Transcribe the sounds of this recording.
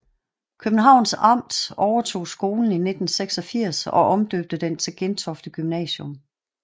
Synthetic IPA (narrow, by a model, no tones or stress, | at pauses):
kʰøb̥n̩ɦɑ̈ʊ̰nsɑ̈m̰d̥ɒʊɐt͡sʰo̝̰ːsɡ̥o̝ːln̩ine̝d̥n̩seɡ̥sɒ̽fiɐ̰sɒ̽ʔɒ̽md̥øb̥̚d̥əd̥ent͡sʰeɡ̥ent͡sʰɒ̽fd̥əɡ̥ymnɛ̰ːɕɔm